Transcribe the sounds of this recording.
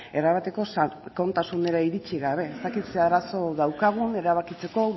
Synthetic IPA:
e̞ɾaβat̪e̞ko̞sko̞nt̪asune̞ɾaiɾit͡ʃiɣaβ̞e̞est̪akit̪seaɾaso̞ðawkaɣ̞une̞ɾaβ̞akit͡se̞ko̞

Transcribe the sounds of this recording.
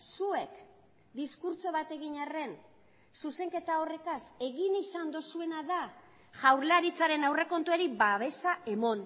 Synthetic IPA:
sue̞k | d̪iskuɾt͡so̞βat̪e̞ɣiɲare̞n | suse̞ŋke̞t̪ao̞re̞kase̞ɣinisand̪osue̞naða | ʝawɾlaɾit͡saɾe̞nawre̞ko̞nt̪ue̞ɾiβaβe̞saʔe̞mo̞n

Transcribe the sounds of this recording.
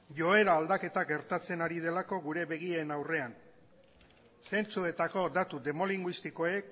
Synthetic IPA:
ʝo̞e̞ɾaːld̪ake̞t̪aɡe̞ɾt̪at͡se̞naɾið̞e̞lako̞ɣuɾe̞βe̞ɣ̞ienawre̞an | se̞nt͡sue̞t̪ako̞d̪at̪ud̪e̞mo̞liŋɡwist̪iko̞e̞k

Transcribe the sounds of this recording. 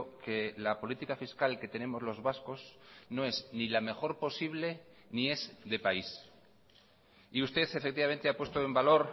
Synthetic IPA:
ke̞lapo̞lit̪ikafiskalke̞t̪e̞nẽ̞mo̞zlo̞zβasko̞sno̞e̞znilame̞xo̞ɾpo̞siβ̞le̞ | nie̞zðe̞pais | iust̪e̞θefe̞k̚t̪iβame̞nt̪eapwe̞st̪oembalo̞ɾ

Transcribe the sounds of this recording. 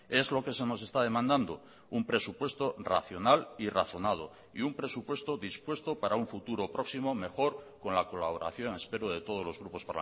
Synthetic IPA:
e̞zlo̞ke̞se̞no̞se̞st̪að̞e̞mãnd̪and̪o | umpɾe̞supwe̞st̪o̞ra̰θjo̞naliraθo̞nað̞o̞̰ | ḭumpɾe̞supwe̞st̪oðispwe̞st̪o̞paɾauɱfut̪uɾo̞pɾʔo̞ksimo̞me̞xo̞ɾko̞nlako̞laβoɾa̰θjo̞ŋe̞spe̞ɾoð̞e̞t̪oð̞o̞zlozɣɾupo̞spaɾl̰

